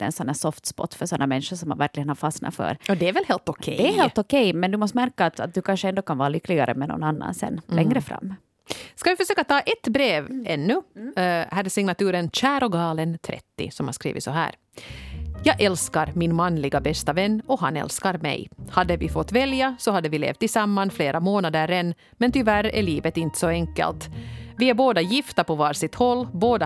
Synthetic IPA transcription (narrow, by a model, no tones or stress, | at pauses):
ɛ̰nsɔnhæːsɔft̪spɔ̰t̪ːfœʂɔnːamɛnʂəʂɔmha̰væɾklɪɡənhaɾfɑsnɑ̰fœ̰ɾɔd̪ɛːɾvɛlheːlt̪ɔkʰɛd̪ɛːɾheːlt̪ɔkʰɛjmɛnd̪ʉmɔst̪mæɾkaːt̪at̪̚d̪ʉkʰanʂəɛnd̪oːkʰanɑːɾalʏkːlɪɡaɾə̰mɛnɔ̰nanːa̰nsɛ̰nlɛŋːɾəfɾa̰mː | skɑvɪfœʂøːkat̪ʰɑːʔɛt̪bɾeːvɛnːʉ | hæːdsɪŋnat̪ʰʉːɾənɕæːɾɔɡɑːlənt̪ʰɾɛ̰t̪ːɪ̰sɔmhaɾʂkɾḭːvɪ̰t̪sɔɦæ̰ːɾ | jɑːɡʔɛlskaɾmɪnmanlɪɡabɛst̪avɛnːɔɦanɛ̰lskaɾmɛ̰jhad̪ːəvɪfɔt̪ːvɛljasɔhad̪ːəvɪlḛːft̪ɪsamːanfleːɾʔamoːnad̪əɾɛnː | mɛnt̪ʏvæɾæ̰ɭiːvət̪ɪnt̪ə̥sɔɛŋkə̰lt̪vɪæɾboːd̪ajɪft̪apɔvɑːɾsɪt̪hɔlːboːd̪